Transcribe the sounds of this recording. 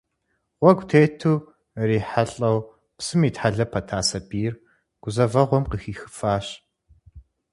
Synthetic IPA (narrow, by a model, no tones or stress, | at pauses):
ʁʷɔɡʷtʰeːtʰuː | riːħaɬʼɐw | psɨmiːtħaɮɐpʰɐtʰaːsɐbiːr | ɡ̥ʷʊzɐvɐʁʷɔmqəxiːxɨ̥faːɕ